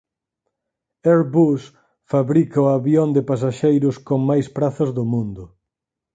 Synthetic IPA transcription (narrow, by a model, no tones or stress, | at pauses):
ɛɾbus | faβɾikɐʊaβjond̪ɪpasaʃejɾʊskoŋmajspɾaθɐzðʊmũnd̪ʊ